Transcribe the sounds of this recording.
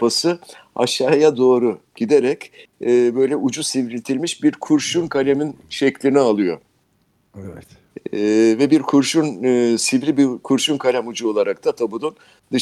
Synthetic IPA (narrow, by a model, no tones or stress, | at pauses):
pasɯa̰ʃaːjad̪o̞ːɾuɟ̥id̪eɾɛcːbø̞jlʲɛʔud͡ʒusivɾilʲt̪ʰilʲmiʃbiɾkʰuɾʃunkʰalʲeminʃɛclʲinialˠɯjo̞̰ | ɛvɛt̪ː | vɛbiɾkʰuɾʃunsivɾibikʰuɾʃunkʰalʲæmud͡ʒuo̞lˠaɾak̚t̪ʰat̪ʰabud̪un | d̪ɯ